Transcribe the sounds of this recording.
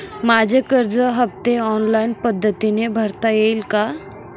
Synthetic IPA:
mad͡ʑʱekəɾd͡zəɦəb̚t̪eɔnlainpəd̪ʱːət̪inebʱəɾt̪ajejlka

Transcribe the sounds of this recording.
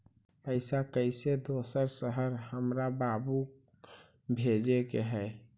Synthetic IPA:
pəɪsakəɪsed̪osəɾsəɦəɾɦəmɾababu | bʱed͡ʒekeɦɛ

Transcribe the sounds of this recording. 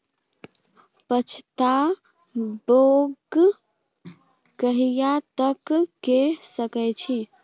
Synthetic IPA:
pət͡ʃʰt̪a | boɡ | kəɦijat̪əkkesəkɛt͡ʃʰi

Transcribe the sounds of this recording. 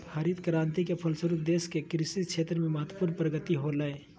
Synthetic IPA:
haɾid̪kəɾãːnt̪ikepʰəlsəɾuːp̚d̪eːskekɾɪsit̪̚ʃʰeːt̪ɾəmẽməɦət̪əpuːɾnpɾəɡət̪iɦoləe

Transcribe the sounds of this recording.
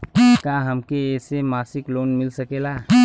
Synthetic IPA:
kãɦəmkeesemasiklonmilsəkela

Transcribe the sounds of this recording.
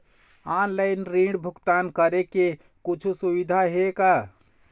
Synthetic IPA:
anlaɪnɾiɖbʱukt̪ankəɾeke | kut͡ʃʰusubid̪ʱaɦeka

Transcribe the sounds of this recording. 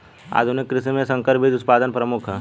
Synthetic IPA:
a̰ːd̪ʱunikːɾɪsimẽsə̃ŋkəɾpɪt̪ʊt̪paːd̪ənpɾəmʊkʰɛ

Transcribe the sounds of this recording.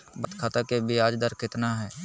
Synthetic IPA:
bət̪kʰaːt̪akebʱiaːd͡ʒd̪əɾkɪt̪naɦɛː

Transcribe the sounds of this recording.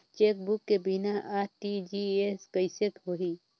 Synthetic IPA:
t͡ʃeːk̚bʊkːebinaʔaːɾʈid͡ʒieskəjset̪ɦoɦi

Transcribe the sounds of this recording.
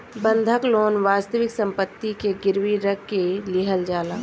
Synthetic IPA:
bə̃nd̪ʱəkloːnʋaːst̪əʋɪksə̃mpət̪ːikeɡɪɾʋiɾəkːelɪɦəld͡ʒaːlaː

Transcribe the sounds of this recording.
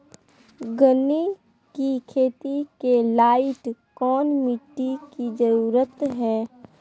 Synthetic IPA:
ɡəne | kikʰeːt̪ikelaːɪʈkɔːnmɪʈːikid͡ʒəɾuːɾət̪ɦɛː

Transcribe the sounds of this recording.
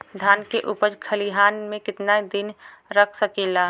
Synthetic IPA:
d̪ʱaːnkeʔupəd͡ʒkʰəliɦaːnmẽkɪt̪naid̪ɪn | ɾəkʰsəkilaː

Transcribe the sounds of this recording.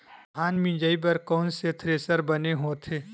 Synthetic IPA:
ɦaːnmĩd͡ʒaːip̬ɐɾkɔːnset̪ʰɾeːsəɾbɐneɦoːt̪ʰeː

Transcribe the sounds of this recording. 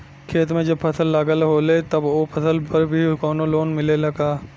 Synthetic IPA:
kʰeːt̪mẽd͡ʒɐbpʰɐt̪ʰəlːaːɡəlɦoːlet̪ɐbopʰɐt̪ʰəlpɐɾbʱikɔːnoloːnmɪlelɐɡaː

